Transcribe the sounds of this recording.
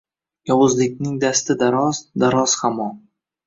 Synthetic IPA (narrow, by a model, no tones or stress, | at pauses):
jɒwʊzlɪkʲnɪŋd̪ast̪ɪd̪aɾɒzd̪aɾɒz̥hamɒn